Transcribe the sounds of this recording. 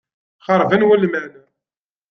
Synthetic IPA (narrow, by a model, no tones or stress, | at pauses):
χɑɾˤvænwælmænʊ